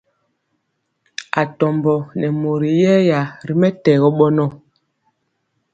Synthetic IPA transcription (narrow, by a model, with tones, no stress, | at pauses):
a˨tɔ˨mbɔ˨nɛ˨mo˨ɾi˨jɛ˦ja˨ɾi˦mɛ˦tɛː˨ɣɔ˦ɓɔ˦nɔ˦˨